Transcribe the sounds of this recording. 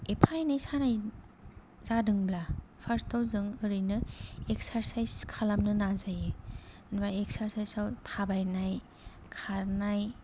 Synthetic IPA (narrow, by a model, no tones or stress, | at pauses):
epʰajnajsanaj | zadɯŋblapʰaɾstʰawzɯŋɯɾɯjnɯek̚saɾsajskʰalamnɯnazaje | nbajeksaɾsajsawtʰabajnaj | kʰaɾnaj